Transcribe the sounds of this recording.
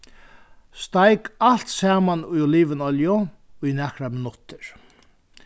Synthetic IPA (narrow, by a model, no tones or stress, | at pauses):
st̪ajkalt̪saːmanujɔliːʋənɔljʊ | ujnɛhkɾamɪnʊt̪ɪɹ